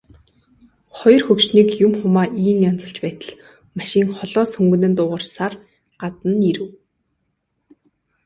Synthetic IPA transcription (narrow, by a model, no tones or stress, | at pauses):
χɔjɞ̆rxɵkʃniːkjʊmχʊmaːʔiːnjɔnt͡sə̆ɬt͡ɕpæːt̪ə̆ɮ | maʃɪ̆ːŋχɔɮɔːsxɵŋɡɵ̆nɘ̆nt̪ʊːʁə̆rsar | ɢat̪ə̆niɾɘ̆w